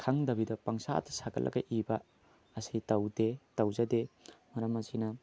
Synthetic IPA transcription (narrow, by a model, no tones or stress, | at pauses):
kʰaŋdɐbidɐpɐŋsa̰tʰsaɡɐ̰lʔɐ̰ɡɐʔibɐː | sitɐwdetɐwzɐdemɐɾɐmɐsinɐ